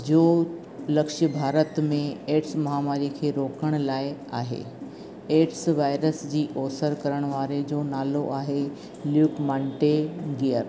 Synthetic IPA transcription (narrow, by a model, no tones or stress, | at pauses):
d͡ʑoː | lɐkʃjəbʱaːɾət̪mẽeːʈsmɐɦaːmaːɾikʰeːɾoːkəɽ̃ʊlaːɪaːɦḛː | eːʈsʋaːɪɾəsd͡ʑiːʔɔːsəɾkɐɾəɽ̃ʋaːɾed͡ʑoːnaːloʔaːɦe | ljuːkmãːɳʈeɡijəɾ